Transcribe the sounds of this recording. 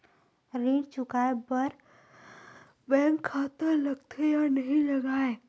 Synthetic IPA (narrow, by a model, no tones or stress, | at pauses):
ɾĩːɖt͡ʃʊkaːebɐɾ | bɛ̃ːŋkʰːaːt̪əɾlɐɡt̪ʰejanɐɦĩlɐɡaːẽ